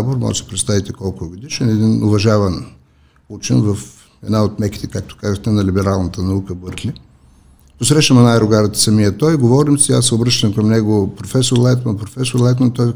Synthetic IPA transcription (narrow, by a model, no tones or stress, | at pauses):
boɾmɔ̰ʒsi̥pɾɛt̪st̪avit̪ɛkɔlˠkʊɡod̪iʃɛnɛd̪inʊvɐʒavɐn | ut͡ʃinvɐf | ɛd̪naot̪mɛki̥t̪ɛkak̚t̪o̥kazəxt̪ɛnɐlibɛɾalˠnət̪ənɐukəbɤɾklʲi | posɾɛʃəmɐnajɾʊɡaɾət̪ə̥sɐmijət̪ɔjɡovɔɾimsia̰sːɛobɾəʃt̪əmkɐmnɛɡopɾofɛsoɾlˠajt̪mɐnpɾofɛsʊɾlˠajt̪mɐnt̪ɔj